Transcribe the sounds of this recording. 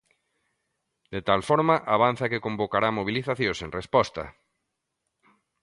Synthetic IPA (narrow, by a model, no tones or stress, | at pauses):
d̪̥et̪alfɔɾmaʔaβ̞an̟θakekõmbokaɾamoβ̞iliθaθjõsẽŋrespɔst̪ɐ̰